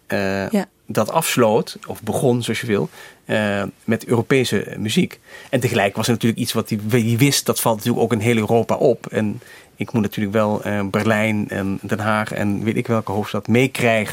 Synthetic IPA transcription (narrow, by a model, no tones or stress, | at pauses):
dɑtɑfslowtɔfbəχɔnzoɑsjəʋɪlˠ | mɛtøːropejsə̰myzikɛntəχəlɛjkəʋɑsɛɹnatyːɹləkitsʋɑtidiʋɪst̚d̥ɑtfɑlˠtnatyːləkowkɪnɦeːləøːroːpa̰ʔɔpɛn | ɪkmutnatyːɹləkʋɛlˠbɛɹlɛjnɛ̰ndɛnɦaːχɛ̰nʋetɪkʋɛlˠkəɦowftstɑtmejkrɛjχə